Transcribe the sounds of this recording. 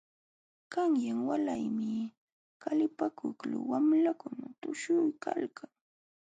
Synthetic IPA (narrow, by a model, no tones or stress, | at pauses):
kaŋjaŋwalajmɪ | kalɪpakʊklʊ̰wamlakʊnat̪ʊʃʊjkalkʰaŋ